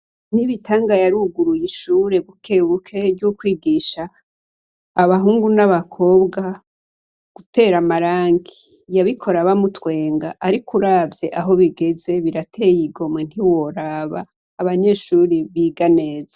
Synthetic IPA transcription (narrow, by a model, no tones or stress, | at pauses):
n̥iβitʰaːŋɡajaɾuɡuɾujiʃuːɾe̞ɡukʰe̞βukʰe̞ɾɟukwiːɡiːʃa | βaɦuːŋɡunaβakʰo̞bɡa | ɡ̥ute̞ːɾamaɾaːŋɡi | jaβikʰo̞ɾaβamutwe̞ːŋɡaʔaɾikuɾaːvje̞ʔaɦo̞βiɡe̞ze̞βiɾatʰe̞ːjiɡo̞men̥iwo̞ɾaːβa̰ː | βaɲe̞ːʃuɾiβiɡane̞ːza